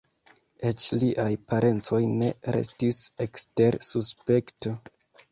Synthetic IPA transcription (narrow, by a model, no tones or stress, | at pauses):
et͡ʃliʔajpaɾe̞nt͡so̞jne̞ɾe̞̰stisekste̞ɾsuspe̞kto̞